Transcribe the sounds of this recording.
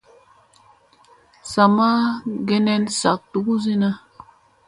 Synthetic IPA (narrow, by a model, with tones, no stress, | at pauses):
sa˨ma˦ɡɛ˦nɛ˦nsa˨k̚tu˨ku˦zi˦na˦